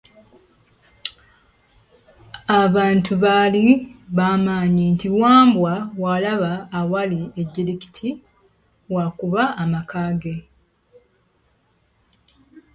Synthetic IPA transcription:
aβaːntuβaliβaːmaːɲintiwaːmbwawalaβaːwalieɟːiɾiki̥tʰi | wakuβaːmakaːɡe̞

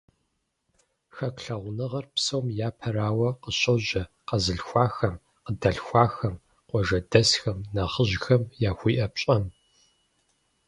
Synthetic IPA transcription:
xɐkɬɐʁʷnɨʁɐrpsɐwmjaːpʰɐraːwɐqəɕʼɐʒʑɐ | qɐzɨɬxʷɑːxɐm | qədɐɬxʷɑːxɐm | qʷɔʒɐdɐsxɐmnɐχəʑxɐmjaːxʷiːʔɐpɕʼɐm

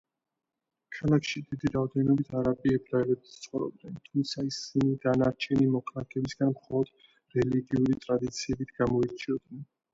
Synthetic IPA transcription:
kʰalˠakʰʃid̪id̪iɾaɔd̪ɛnɔbit̪ʰaɾapʼiɛbɾaɛlɛbist̪sʼχʼɔɾɔ̰b̚d̪ɛnt̪ʰumt̪sʰaisinid̪anaɾt͡ʃʰɛnimɔkʰʼlakʰɛbisɡanmχɔlˠɔd̪̥ | ɾɛliɡiuɾit̪ʼɾad̪it̪sʰiɛbit̪ʰɡ̥amɔiɾt͡ʃʰiɔd̪nɛn

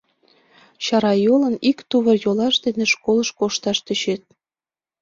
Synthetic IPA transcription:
ɕɑɾɑjolənikt̪uβərjolɑʃd̪eneʃkoləʃkoʃt̪ɑʃt̪ət͡ɕet̪̚

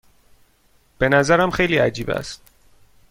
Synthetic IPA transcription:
b̥e̞næzæɾæmxe̞jliːæd͡ʒiːbæ̰st̪̚

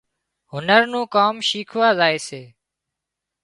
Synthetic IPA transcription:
ɦʊnəɾnũːkaːmʃiːkʰʊaːzaːeːseː

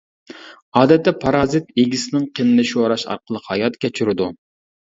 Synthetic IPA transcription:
ɑːd̪ɛt̪ʰːɛpʰɑɾɑːzɨt̪̚eɡʲisɪnɪŋqʰenɨnɨʃoɾɑʃɑ̰ɾqʰəlˠəqhɑjɑt̪kʲʰɛt͡ʃʰyɾɪd̪u

